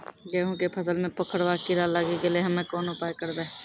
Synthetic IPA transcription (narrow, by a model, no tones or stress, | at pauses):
ɡəːɦõkepʰɐsəlmẽpɐkʰəɽʋaːkiɾaːlaːɡekelieɦɐmẽkɔːnʊpaːjkəɾd̪eː